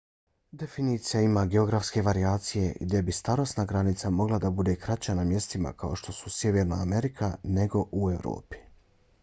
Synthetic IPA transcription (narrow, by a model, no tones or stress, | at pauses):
d̪e̞finiːt̪sijaimaɡe̞o̞ɡɾafske̞ʋaɾiaːt̪sije̞ɡd̪je̞bist̪aɾo̞snaɡɾanit̪samo̞ɡlˠad̪abud̪e̞kɾat͡ɕanamje̞st̪ima̰kʰao̞ʃt̪o̞su̥sje̞ʋeɾnaːme̞ɾikʰane̞ɡo̞ʔue̞ʋɾo̰ːpi̥